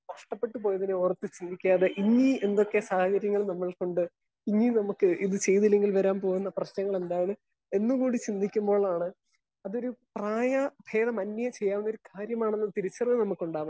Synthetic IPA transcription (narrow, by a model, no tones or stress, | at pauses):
kɐʂʈɐpːe̞ʈːɨpo̞ːjɐðineorɐt̪ːɨt͡ɕind̪ʱikʲːaːðeʔiŋːie̞nd̪o̞kːe̞saːhɐkɐɾjɐŋːɐɭnɐmːɐɭko̞ɳɖɨ | iŋːinɐmukːɨʔiðɨt͡ɕe̞jt̪ilːe̞ŋɡʲilʋɐɾaːmpo̞ːɣunːɐprɐɕnɐŋːɐɭe̞nd̪aːjɳɨ | e̞nːuɣuːɽit͡ɕind̪ʱikʲːumbo̞ːɭaːɳɨ | ɐðo̞ɾupraːjɐbʱe̞ːðɐmɐnːɐjɐt͡ɕe̞jːaːʋunɐoɾukaːɾjɐmaːɳe̞nːɐt̪iɾit͡ɕːɐrnɨnɐmukːuɳɖaːʋɐm